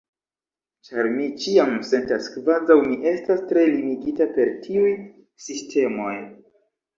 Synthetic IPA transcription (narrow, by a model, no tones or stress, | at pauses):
t͡ʃaɾmit͡ʃiamse̞ntaskvazawmiʔe̞stastɾe̞limiɡitape̞ɾtʰiuj | sistʰe̞mo̞j